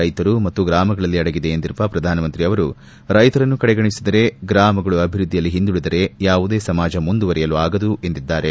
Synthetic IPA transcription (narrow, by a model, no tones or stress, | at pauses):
ɐjt̪ɐɾumɐt̪ːuɡɾaːmɐɡɐɭɐlːiɐɽɐɡid̪e̞ːnd̪iɾupɐpɾɐd̪ʱaːnɐmɐnt̪ɾiɐʋɐɾu | ɾɐjt̪ɐɾɐnːukɐɽɛɡɐɳisid̪ɐɾe̞ɡɾaːmɐɡɐɭuɐbʱiɾud̪ːijɐlːiɦind̪uɽid̪ɐɾe̞jaːʋud̪e̞ːsɐmaːd͡ʒɐmund̪uʋɐɾɛjɐluaːɡɐd̪ue̞nd̪id̪ːaːɾe̞